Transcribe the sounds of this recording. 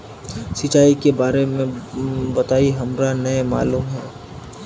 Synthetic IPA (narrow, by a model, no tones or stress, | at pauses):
sɪt͡ʃaːikebaːɾemẽbɐt̪aːiɦɐmɾanɐjma̰ːluːmɦɛː